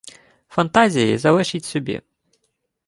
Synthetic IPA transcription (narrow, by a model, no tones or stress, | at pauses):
fɐnt̪azʲɪjḭzɐvɛʃitʲsʲɔbʲḭ